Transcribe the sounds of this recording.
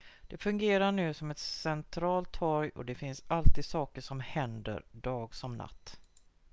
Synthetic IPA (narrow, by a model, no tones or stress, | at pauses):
d̪̥ɛfɵŋɡeːɾaɳʉ̟ːsɔmɛt̪sɛnt̪ʰɾɑːlt̪ʰhɔɾjɔ̰d̪ɛfɪnsalt̪iːd̪sɑːkəʂɔmhɛnd̪ə̰ɾɖɑːɡsɔmna̰t̪ː